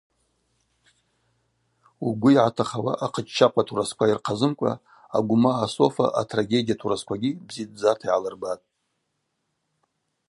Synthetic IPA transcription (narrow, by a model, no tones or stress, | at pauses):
uɡʷʊiʕatʰaχawa̰ʔaqʰət͡ʃʼt͡ʃʰaqʷʼatʰuɾaskʷʰairqʰazɨmkʷʼa̰ | aɡʷʊmaːso̞fa̰ʔa̰tʰraɡʲe̞dʲijatʰuɾaskʷʰaɡʲibzid̚d͡zatʰaiʕalɨrbatʼ